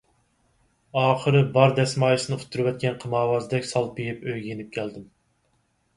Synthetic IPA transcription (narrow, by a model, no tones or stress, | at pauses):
ɑːχəɾɨbɑɾd̪ɛsmɑːjɨsɨnɨu̥t̪ʰːuɾɨwɛt̪̚kʲɛnqʰəmɑːwɑːzɨd̪ɛkʲsɑlˠbejipøjɡʲejenɪp̚kʲʰɛld̪ɪm